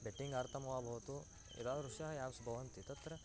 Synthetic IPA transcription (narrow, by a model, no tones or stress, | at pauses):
beʈːiŋɡaːɾt̪ʰɐmɐʋaːbʱɐɦut̪u | ḭd̪aːd̪ɾuʂjaɦɐjaːʋsbʱɐʋɐnt̪it̪ɐt̪ɾɐ